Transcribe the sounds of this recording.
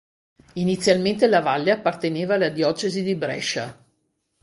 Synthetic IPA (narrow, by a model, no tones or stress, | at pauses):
init̪sːjalment̪elavalːeapːart̪eneːvaːlːad̪jɔːt͡ʃezid̪ibɾɛ̰ʃa